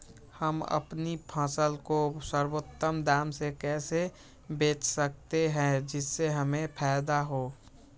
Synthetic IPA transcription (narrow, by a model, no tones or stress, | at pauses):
həmə̰pnipʰãːsəlkosəɾwot̪ːəmd̪aːmsekɛːse | beːt͡ʃsək̚t̪eɦɛ̃d͡ʒɪsːeɦəmẽpʰɛɪd̪aɦoː